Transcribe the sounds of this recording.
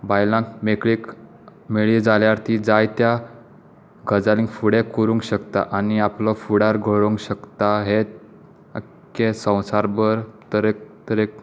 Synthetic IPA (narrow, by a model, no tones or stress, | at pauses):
bajlãkmekɭik | meɭid͡zaljaɾt̪iːd͡zajt̪ja | ɡʱəd͡zalĩŋkfuɽekuɾuŋkɕəkt̪a̰ʔaniaplɔfuɽaɾɡʱəɭuŋkɕəkt̪aɦe | ə | kesə̃w̃saɾbəɾt̪əɾet̪əɾek